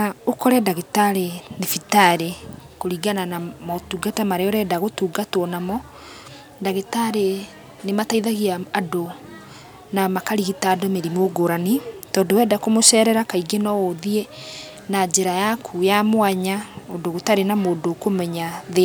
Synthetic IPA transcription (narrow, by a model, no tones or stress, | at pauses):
naokɔɾɛdaɣetaɾenefitaɾekoɾiɡananamɔtuɡatamaɾeɔɾɛdaɣotuːɡatwɔnamɔ | daɣetaɾe | nemataiðaɣiaːdo | namakaɾiɣitadomeɾimoɡoɾanitɔːndowɛːdakomoʃɛɾɛɾakaiɡenɔoðie | nad͡ʑeɾajakʰujamwaɲaodoɣotaɾenamoːdokomɛɲað